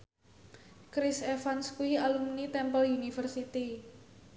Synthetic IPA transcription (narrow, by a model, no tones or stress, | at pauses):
kɾɪsɛfanskuialumnit̪ɛmpəlunifərsit̪i